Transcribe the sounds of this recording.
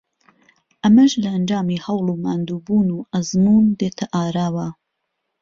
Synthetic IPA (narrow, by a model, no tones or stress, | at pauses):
ʔɐmɐʒlɐɐnd͡ʒɑːmiːhɐwluːmaːnd̪uːbuːnuːʔɐzmuːnd̪eːt̪ʰɐʔaːɾaːwa